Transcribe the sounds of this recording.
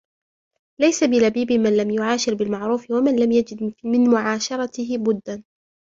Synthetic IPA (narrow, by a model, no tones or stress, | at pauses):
lajsabɪlabiːbɪmanlamjʊʕaːʃɪɾbɪlmaʕɾuːfɪwamanlamjad͡ʒɪd̪mɪnmʊʕaːʃɑɾˤɑt̪ɪɦɪbʊd̪ːan